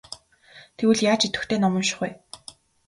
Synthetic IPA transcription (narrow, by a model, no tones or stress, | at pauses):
t̪ʰewɘ̆ɮjaːt͡ɕit̪ɘ̆kt̪ʰeːnɔmɞ̆mʃɪ̥̆χuj